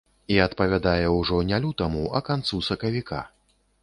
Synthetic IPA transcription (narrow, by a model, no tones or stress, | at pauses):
iɐt̪pɐvʲad̪ajɛwʐɔnʲalʲut̪ɐmuʔɐkant̪susɐkɐvʲikʰa̰